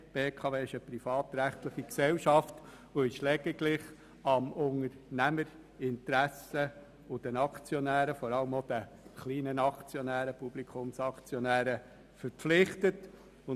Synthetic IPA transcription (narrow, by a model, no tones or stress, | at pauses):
b̥eːkʰɑːveːɪʃəpɾifɑːtɾæχtləχiksɛlʃɑft | oɪʃlɛɡ̥ɪɡlɪχ | ɑmʊŋəɾnæməɾ | ɪnt̪ɾæsə | ʊd̥ɛnɑkt͡sjɔnæːɾəfɔɾɑləmod̥ə | χliːnənɑkt͡sjɔnæːɾəpub̥likʰʊmsɑkt͡sjɔnæːɾə | fəɾpflɪχtət | ʊ